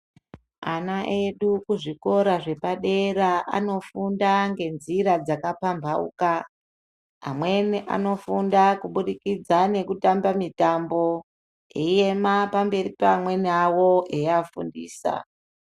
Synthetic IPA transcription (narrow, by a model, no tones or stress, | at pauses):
anaʔe̞ɗukuʐiko̞ɾaʐe̞paɗe̞ɾaʔa̰no̞fundaŋɡe̞nziɾad͡zakapambʱaṵka | ɦa̰mwe̞niʔa̰no̞fundakuɓuɗikid͡zane̞kutambamitambo̞ | eije̞mapambe̞ɾipamwe̞nawoʔeafundiːsa̰